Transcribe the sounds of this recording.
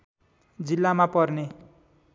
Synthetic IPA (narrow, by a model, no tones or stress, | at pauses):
d͡zilːamapʌrne